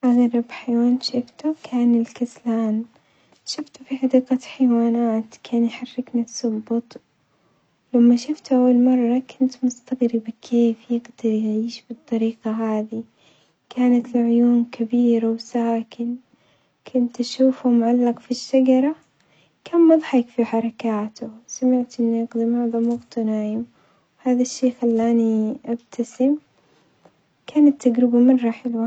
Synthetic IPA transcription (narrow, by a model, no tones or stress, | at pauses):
ʔaɣɾɪbħajwaːnʃɪft̪ʊkʰaːnɪlkaslaːn | ʃɪft̪ʊfiħad̪iːqɑħajwaːnaːt̪kʰaːnjħarːɪknisʊbːʊt̪ˤ | lamːaʃʊft̪ʔawːalmɑrˤːɑkʰʊnt̪mʊst̪aɣɾɪbakʰeːfjɪɡd̪̥ɑɾˤjʕiːʃbɨt̪ˤːɑɾiːqɑɦaːði | kʰaːnat̪lʕʊjuːnkabiːɾawsaːkɪn | kʰʊnt̪aʃuːfʊmʕalːɑqfiʃːaɡɑɾˤɑ | kaːnmɑðˤħɑkfiħɑɾˤɑkaːt̪ʊsamɪʕt̪ʔɪnːjɑɡd̪ˤimɑʕðˤɑmʊɣt̪ʊnaːʕjɪm | whaːðaʃːeːxalːaːniʔab̚t̪ʰasɪm | kaːnat̪ːaɡɾɪbamɑrˤːɑħɪlwaː